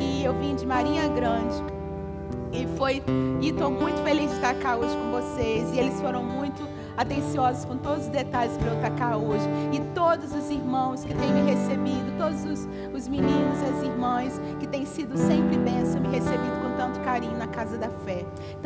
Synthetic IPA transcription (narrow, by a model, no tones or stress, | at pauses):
ɪewvĩɲʊd͡ʒɪmaɾĩɲɐɡɾɐ̃d͡ʒɪ | ɪfojt̪owmũj̃t̪ʊfelizd͡ʒɪt̪akaɾoʒɪkõvosezɪelɪsfoɾɐ̃w̃mũj̃t̪ʊ | at̪ẽsiɔzʊskõt̪od̪ʊzʊzd̪et̪aʎɪspɾɐewt̪akaɾoʒɪɪt̪od̪ʊzʊziɾmɐ̃w̃skɪt̪ẽj̃mɪɦesebid̪ʊt̪od̪ʊzʊs | ʊzminĩnʊziaziɾmɐ̃s | kɪt̪ẽj̃sid̪ʊsẽmpɾɪpẽsɐ̃w̃mɪhesebid̪ʊkõt̪ɐ̃nt̪ʊ̥kaɾĩɲʊnɐkazɐd̪ɐfɛ